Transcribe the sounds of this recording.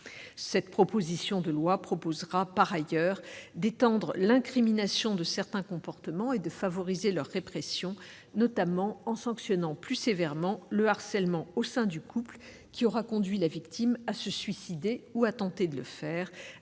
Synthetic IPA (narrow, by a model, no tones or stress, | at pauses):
sɛt̪pχɔpozisjɔ̃d̪əlwapχɔpozʁapaʁajœːʁd̪et̪ɑ̃d̪ʁəlɛ̃kχiminasjɔ̃d̪əsɛʁt̪ɛ̃kɔ̃pɔʁt̪əmɑ̃ed̪əfavɔʁizelœʁːepχɛsjɔ̃ | nɔt̪amɑ̃ɑ̃sɑ̃ksjɔnɑ̃plysevɛʁmɑ̃ləaʁsɛlmɑ̃osɛ̃d̪ykʰupl | kʲiɔʁakɔ̃d̪ɥilavikt̪ʰimasəsɥisid̪euat̪ɑ̃t̪ed̪ələfɛːʁ